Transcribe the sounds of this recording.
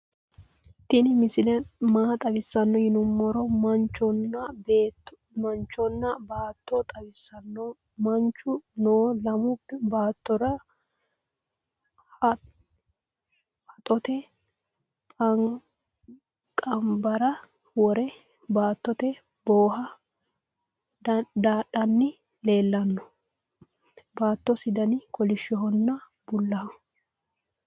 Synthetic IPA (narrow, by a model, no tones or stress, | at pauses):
t̪ɪnɪmɪsɪlɛmaːt̪ʼɐbɪsːɐnːɔhɪnʊmːɔɾɔmɐnt͡ʃɔnːɐbeː | mɐnt͡ʃːɔnːɐbaːt̪ːɔt̪ʼɐbɪsːɐnːɔ | mɐnt͡ʃːʊnoːlɐmʊpːɛbaːt̪ːɔɾɐ | hɐt̪ʼɔt̪ɛ | kʼɐ | kʼɐmbɐɾɐ | wɔɾɛ | baːt̪ːɔt̪ɛ | boːɦɐ | d̪aᶑɐnːɪ | le̞ːlːɐnːɔ̥ | baːt̪ːɔsɪd̪ɐnikʰʼɔlɪʃɛɦɔnːɐ | bʊlːɐ